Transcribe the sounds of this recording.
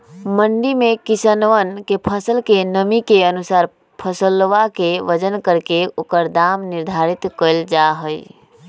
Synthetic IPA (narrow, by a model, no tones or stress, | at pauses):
məɳɖimẽkisənʋənkepʰəsəlkenəmikeənusaːɾ | pʰəsəlʋakeʋəd͡ʒənkəɾkeʊkəɾd̪amniɾd̪ʱaɾit̪kəld͡ʒaɦəi